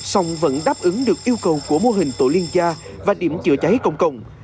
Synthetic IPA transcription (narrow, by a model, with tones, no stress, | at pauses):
sa˧wŋ͡mvə̰˧˥nɗaː˦˥p̚ʔɨ˨˦ŋɗɨ˨˩ək̚ʔi˧əwkə˨˩wku˧˩əmo˧ɦï˨˩ŋ̟t̪o̰˧˩li˧ənt͡ɕaː˧ | vaː˨˩ɗi˧˩əmt͡ɕɨ̰˧˩ət͡ɕa˨˦jkə̰˧˩wŋ͡mkə˧˨wŋ͡m